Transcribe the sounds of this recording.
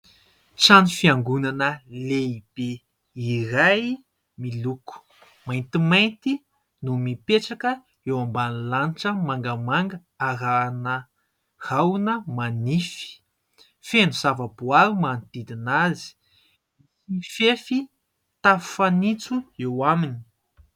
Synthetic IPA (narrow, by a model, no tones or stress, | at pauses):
t͡sanifiaŋɡunanəleib̥e | iɾaj | miluku̥ | majnt̪imajnt̪i | numipeʈ͡ʂakə | ewambanilaniʈ͡ʂəmaŋɡəmaŋɡə | aɾanə | hawnəmanifi̥ | fenuz̥avəbuaɾumanid̪id̪inazi̥ | ifefi | t̪avu̥fanit͡suewamini̥